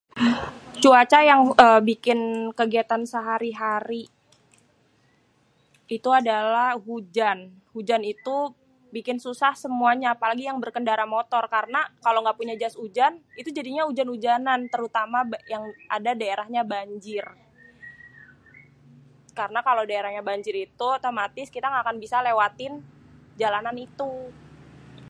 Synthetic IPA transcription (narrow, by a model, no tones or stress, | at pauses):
t͡ʃuat͡ʃajaŋəːbikɪnkəɡiat̪ansəɦaɾiɦaɾi | it̪uadalahɦud͡ʒan | hud͡ʒanit̪u | bikɪnsusahsəmuaɲaːpalaɡijaŋbərkəndaɾamot̪ɔrkaɾənakaloŋɡaʔpuɲad͡ʒasud͡ʒanit̪ud͡ʒadiɲaud͡ʒanud͡ʒanant̪əɾut̪amabjaŋʔadadaeɾahɲabaɲd͡ʒɪr | kaɾənakalowdaeɾahɲabaɲd͡ʒɪɾit̪ut̪amat̪ɪskit̪aŋɡakanbisalewat̪ɪnd͡ʒalananit̪u